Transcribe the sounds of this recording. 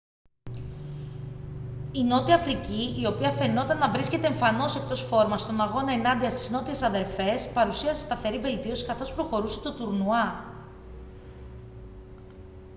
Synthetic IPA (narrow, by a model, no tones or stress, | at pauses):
ino̞t̪iɐfɾiciio̞piɐfe̞no̞t̪ɐnːɐvɾiskce̞t̪e̞ːɱfɐno̞se̞k̚t̪o̞sfo̞ɾmɐst̪o̞nɐɣo̞nɐe̞nɐnd̪iɐst̪i̥zno̞t̪ie̞sɐðe̞ɾfe̞spɐɾusiɐsest̪ɐθe̞ɾive̞lt̪io̞si̥kɐθo̞spɾo̞xo̞ɾuse̥t̪o̞t̪uɾnuɐ